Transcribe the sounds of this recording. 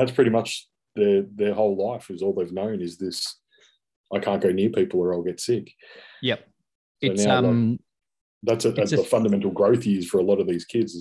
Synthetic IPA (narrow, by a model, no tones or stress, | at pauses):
ðætspʰɹ̥ɪɾimʌt͡ʃ | ðə˞ðə˞hoʊlaɪfɨzɔlˠðeɪvnõʊ̃nɨzðɪs | ʔaɪkʰæ̃nɡ̥oʊnɪɹpʰipl̩ˠwə˞aɪlˠɡɛtsɪk | jɛ | soʊnaʊla | ðætsɨɨəfʌ̃ndəmɛ̃ntˡl̩ˠɡɹoʊθjɪz̥fə˞əlɔɾʌvðiz̥kʰɪdz